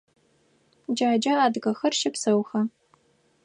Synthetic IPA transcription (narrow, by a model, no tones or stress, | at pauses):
d͡ʒaːd͡ʒɐaːdɣɐxɐrʃɪpsɐwxɐ